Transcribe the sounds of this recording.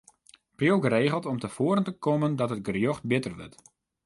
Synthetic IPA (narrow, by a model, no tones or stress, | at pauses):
prjowɡəɾeːɣəlˠtɔmtəfoːɾəntəkoməndɔtət̚ɡərjoxt̚bɪtərʋə̰t